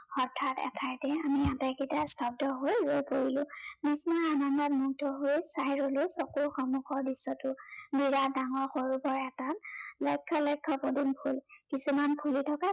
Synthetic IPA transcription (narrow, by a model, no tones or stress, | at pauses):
ɔɹtʰːatɛ̰tʰajtɛamiataketastʰɔp̚dɔɦojɹojpoɹilʊ̃mismaanɔndɔtmuɡ̚tʰɔɦojsajɹolosɔkuɹxɔmuxʰɔɹdisːɔtʊbiɹadaŋɔɹxoɹupɔɹɛtalɔjkʰːɔlɔjkʰːɔpodinpʰulkisumanpʰulitʰɔka